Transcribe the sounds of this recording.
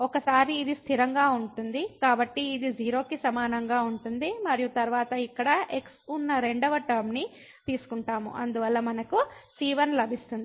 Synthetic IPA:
ɔkɐsaːɾiːd̪ist̪ʰiɾɐŋɡaːuɳʈund̪ikaːbɐʈːiːd̪id͡ʒiːɾo̞ːkisɐmaːnɐŋɡaːuɳʈund̪imɐɾijut̪ɐɾʋaːt̪ɐikːɐɽɐeksunːɐɾe̞ɳɖɐʋɐʈɐɾmni | t̪iːsu̥kuɳʈaːmṵʔɐ̰nd̪uʋɐlːɐmɐnɐkusiːʋɐnlɐbʱist̪und̪i

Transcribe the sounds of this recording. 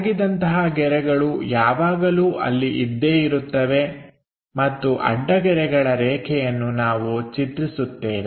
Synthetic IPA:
ɡid̪ɐnt̪ɐɦɐɡɛɾɛɡɐɭujaːʋaːɡɐluːʔɐ̰lːiʔid̪ːeːiɾut̪ːɐʋe̞ | mɐt̪ːuʔɐ̰ɖːɐɡɛɾɛɡɐɭɐɾɛːkʰɛjɐnːunaːʋut͡ʃit̪ɾisut̪ːeːn

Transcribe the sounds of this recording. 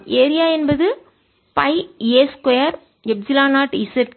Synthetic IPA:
ʔeːɾɪjaːɛnbɐðɯ | pɐɪeːskɔjɐɾ | jɛb̚sɪlaːnaːʈɪsɛʈ

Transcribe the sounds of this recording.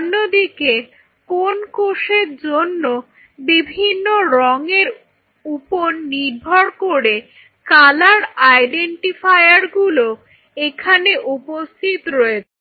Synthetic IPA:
nːod̪ike | konkoʃeɾd͡ʑonːo | bibʱinːoɾɔŋeɾ | uponːiɾbʱɔɾkoɾe | kalaɾajɖeɳʈifajaɾɡulo | ekʰaneʔupost̪ʰit̪ɾɔet͡ɕʰe

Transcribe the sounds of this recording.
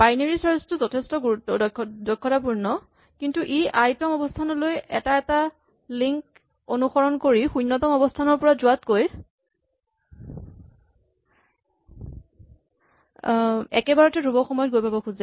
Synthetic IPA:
b̥ajneɹisaɹstʊzɔtʰɛstɔɡuɹutɔdɔdɔjkʰːɔtapuɹnɔ | kintuʔeʔajtɔmɔbɔstʰanɔlojɛ̰taɛta | liŋk | onuxɔɹɔnkoɹixujnːɔtɔmɔbɔstʰanɔɹpɔɹazʊatkoj | ɛkɛbaɹɔtɛdʱubɔxɔmɔjɔt̚ɡojpabɔkʰuza

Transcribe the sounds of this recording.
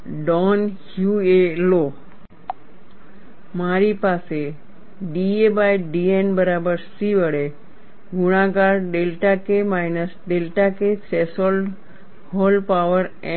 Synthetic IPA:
ɖɔnhjuelo | maɾipase | ɖiebajɖienbəɾabəɾsiʋəɽe | ɡuɽ̃aɡaɾɖelʈakemajnəsɖelʈakesesolɖ | holpaʋəɾ | ɛ̃

